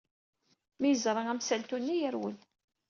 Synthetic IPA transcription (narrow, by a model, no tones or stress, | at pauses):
mijəzɾˤɑʁæmsælt̪unːijəɾwə̰n